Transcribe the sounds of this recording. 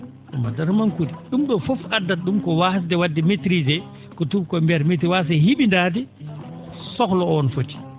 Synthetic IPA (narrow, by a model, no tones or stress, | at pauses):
ʔɛmadaɾmankudiɗumɗɔfɔfadːat̚ɗumkɔwahs̬dɛwadːɛmetɾid͡ʒɛ | kɔtuɾkɔmbɛɾmet̬ɾiwas̬ahiɓindaːd̬i | sɔklɔɔnfotːi̥